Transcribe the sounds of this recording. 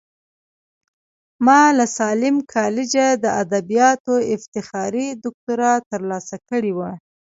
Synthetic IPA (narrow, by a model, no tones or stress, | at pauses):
mɑlasɑlɪmkʰɑlɪd͡ʒad̪əad̪abijɑt̪oɪft̪ɪxɑɾid̪ʊk̚t̪ʊɾɑt̪əɾlɑsakəɽiwa